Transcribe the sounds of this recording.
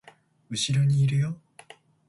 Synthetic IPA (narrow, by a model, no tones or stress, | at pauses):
ɯ̟ɕiɾo̞ɲ̟iːɾɯ̟jo